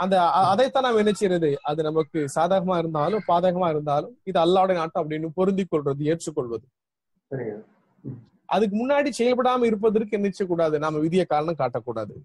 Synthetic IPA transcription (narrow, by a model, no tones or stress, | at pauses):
ɐnd̪ɐːðɐɪt̪ːãːnaːmɐɛnːɐt͡ʃːɪɾɐðɯʔɐðɯnɐmɐkːɯsaːðaːɣɐmaːɪɾɯnd̪aːlɯ̃mpaːðɐːɣɐmaːɪɾɯnd̪aːlɯ̃mɪðɯɐlːaːʋɯɽɐjnaːʈːʊ̃ɐp̬ːɐɽɪnːɯpɔɾɯnd̪ɪkːɔɭrɐðɯeːt͡ʃːɯkːɔɭʋɐðɯ | sɐɾɪŋa | ʔɐ̰ðɯk̬ːɯmʊnːaːɽisɛjɐlpɐɽaːmɐɪɾɯp̬ːɐðɐɾk̬ːɯɛnːɐt͡ʃːɐk̬ːuːɽaːðɯnaːmɐʋɪðɪjɐkaːɾɐɳɐ̃mkaːʈːɐkːuːɽa̰ːðɯ̰